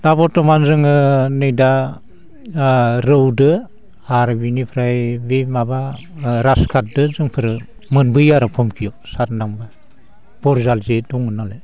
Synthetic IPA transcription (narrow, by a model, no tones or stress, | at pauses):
dabɔtɔmanzɯŋɯnɯjda | ɾɯwdɯ | aɾbinipʰɾajbemaba | ɾaskʰat̚dɯzɯŋpʰɯɾɯ | mɯnbɯjaɾɯpʰɔmkʰijɔsaɾnaŋba | b̥ɔɾzalzeduŋɯnale